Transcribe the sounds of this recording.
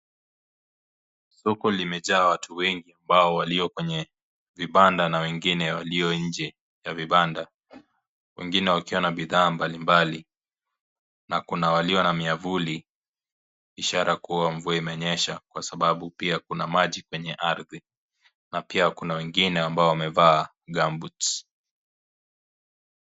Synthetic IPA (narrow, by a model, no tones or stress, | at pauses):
sɔkɔlimɛʄaːwatʰuwɛŋɡiambaɔwaliɔkwɛɲɛ | viɓandanawɛŋɡinɛwaliɔɲ̩d͡ʒɛ | javiɓanda | wɛ̰ŋɡinɛwakiwanaɓiðaːmbalimbali | nakunawaliɔnamiavuli | iʃaɾakuwaɱvuaimɛɔɲɛʃakwasaɓaɓupiakunamaʄikwɛɲɛʔaɾði | napiakunawɛŋɡinɛambaɔwamɛvaː | ɡambut